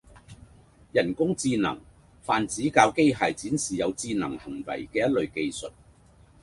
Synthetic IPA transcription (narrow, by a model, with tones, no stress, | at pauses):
jɐ˨˩nkʊ˥ŋt͡siː˧nɐ̰˨˩ŋ | faː˨nt͡siː˨˥kaː˧wke˥jɦaː˨jt͡siː˨˥nsiː˨˩jɐ˨˧wt͡siː˧nɐ˨˩ŋhɐ˨˩ŋwɐ̰˨˩jkɛː˧jɐ˥t̚lɵ˨˧ɥke˧jsɵ˨t̚